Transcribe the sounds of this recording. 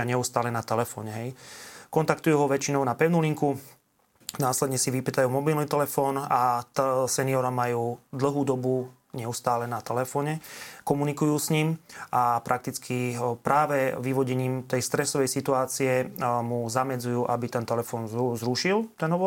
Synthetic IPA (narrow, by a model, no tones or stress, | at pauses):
aɲɛust̪aːlɛnat̪ɛlɛfɔ̰ːɲɛɦɛjkɔnt̪akt̪ujuɦɔʋɛt͡ʃinɔʊnapɛʊnuliŋku | naːslɛd̪ɲɛsiʋipit̪ajuːmɔbilnit̪ɛlɛfɔːnasɛniɔɾamajuːd̪l̩ɦuːd̪ɔbu | ɲɛust̪aːlɛnat̪ɛlɛfɔːɲɛkɔmunikujuːsɲiːmapɾʔak̚t̪it͡skʰipɾaːʋɛʋiʋɔɟɛɲiːmt̪ɛjst̪ɾɛsɔʋɛjsit̪uaːt͡siɛmuzamɛd͡zujuːʔabit̪ɛnt̪ɛlɛfɔːnzzɾuʃilt̪ɛnɦɔʋɔ